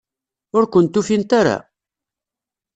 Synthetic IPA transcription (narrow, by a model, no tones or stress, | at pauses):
ʊɾkʷənt̪ːufint̪aɾa̰